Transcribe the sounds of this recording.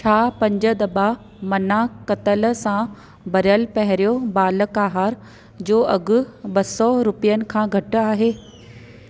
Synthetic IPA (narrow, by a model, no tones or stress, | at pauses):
t͡ɕʰaːpɐ̃ɲd͡ʑə̆d̪ɐba | mɐnakɐt̪əl̆sã | bɐɾjəlpɐɦɪɾijobaːlə̆kaːɦaːɾ | d͡ʑoːʔɐɡʊ̆ɓɐsɔɾʊpijənɪ̆kʰãːɡʱɐʈʊ̆aːɦeː